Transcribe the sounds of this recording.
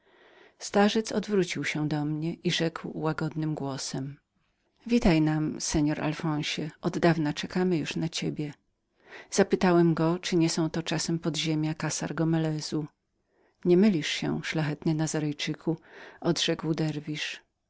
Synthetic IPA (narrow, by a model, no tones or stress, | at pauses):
st̪aʐɛt̪sɔd̪vɾut͡ɕiwɕɛd̪ɔmɲɛʔiʐɛkwwaɡɔd̪nɘmɡwɔsɛm | vʲit̪ajnamsɛɲɔɾʔa̰lfɔ̃w̃ɕɛɔd̪d̪avnat͡ʂɛkamɘjuʂnat͡ɕebʲjɛ | z̥apɘt̪awɛmɡɔt͡ʂɘɲɛsɔ̃w̃t̪ɔt͡ʂasɛmpɔd̪ʑemʲjakasa̰ɾɡɔmɛlɛz̥u | ɲɛmɘlʲiʂɕɛ̰ʂlaxɛt̪nɘnazaɾɛjt͡ʂɘkʰuɔd̪ʐɛkwd̪ɛɾvʲiʂ